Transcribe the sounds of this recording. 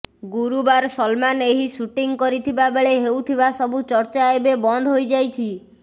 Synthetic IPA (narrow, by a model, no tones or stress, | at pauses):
ɡuɾubaɾsɔlmaneɦisuʈiŋkɔɾit̪ʰibabeɭeɦewt̪ʰibasɔbut͡ʃɔɾt͡ʃaebebɔnd̪ʱɦojd͡ʒajt͡ʃʰi